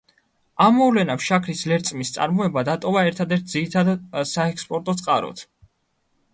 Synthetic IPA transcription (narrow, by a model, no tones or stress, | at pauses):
amːɔvlɛnapʃakʰɾislɛɾt̪sʼmist̪sʼa̰ɾmɔɛbad̪at̪ʼɔvaɛɾt̪ʰad̪ɛɾt̪̚ʰd̪ziɾit̪ʰad̪asaɛkspʼɔɾt̪ʼɔt̪sʼqʼaɾɔ̰t̪ʰ